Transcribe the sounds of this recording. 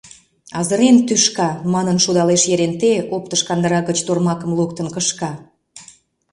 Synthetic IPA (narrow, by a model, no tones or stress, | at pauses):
ɑzəɾent̪yʃkɑmɑnənʃud̪ɑleʃjeɾent̪eop̚t̪əʃkɑnd̪əɾɑɣət͡ɕt̪ormɑkə̆mluk̚t̪ənkəʃkɑ